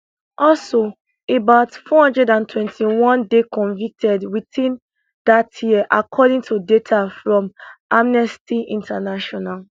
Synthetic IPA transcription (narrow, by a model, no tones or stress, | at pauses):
ʔɔlso | ebaʊtfɔhʌ̃ndɹɛdãntʰwɛ̃ntʰiwɔ̃ndekɔ̃ɱvik̚tʰɛdwiθĩn | datʰjiəʔakʰɔdĩŋtʰudetʰafɹɔ̃mamnɛstiĩntʰanaʃɔnal